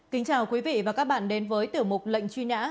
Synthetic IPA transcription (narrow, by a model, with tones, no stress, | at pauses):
ki˨˦ŋ̟t͡ɕaː˨˩wkwi˨˦vḭ˧˨vaː˨˩kaː˦˥k̚ɓa̰ː˧˨nɗe˨˦nvəː˨˦jt̪i˨˩əwmʊ˨˩k͡p̚lə̰˧˨jŋ̟t͡ɕwi˧ɲa̰ː˧˥